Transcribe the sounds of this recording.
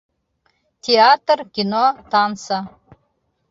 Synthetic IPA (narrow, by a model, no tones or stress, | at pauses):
t̪ʲʰeat̪rkʲinot̪ɑnsa